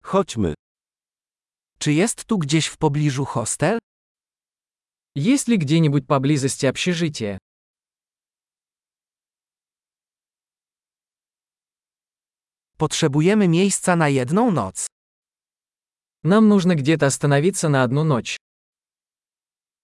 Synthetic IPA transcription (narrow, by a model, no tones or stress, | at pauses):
xɔd͡ʑmɘ̰ | t͡ʂɘjɛst̪ːuɡd͡ʑeɕfpɔblʲiʐuxɔst̪ɛl | jeɕʲlʲiɡd͡ʑɛɲibut͡ɕʲpablʲizɘst͡ɕʲapɕɛʐɘt͡ɕɛ | pɔtʂɛbujɛmɘmʲjejst̪sanajɛd̪nɔ̃w̃nɔ̰t̪s | namnuʐnaɡd͡ʑɛt̪̬ast̪anavʲit̪sanaad̪nɔnɔt͡ɕ